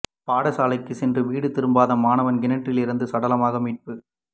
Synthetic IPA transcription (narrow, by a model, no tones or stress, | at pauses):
paːɽɐsaːlɐɪkːɯsɛndrɯʋiːɽɯt̪ɪɾɯmbaːðɐmaːnɐʋɐnɡɪnɐʈrɪlɪɾɯnd̪ɯsɐɽɐlɐmaːɣɐmiːʈ̚pɯ